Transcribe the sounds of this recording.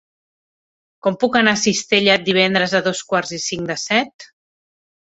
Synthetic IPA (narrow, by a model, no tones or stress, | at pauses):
kɔmpukənasist̪eʎat̪̚d̪iβ̞ɛnd̪ɾəzəðɔskwaɾzisiŋd̪əsɛt̪